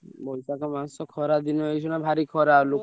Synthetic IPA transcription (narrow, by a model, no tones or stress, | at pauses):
bɔjsakɔmansɔkʰɔɾad̪inɔejs̬ʰɔnabʱaɾikʰɔɾalok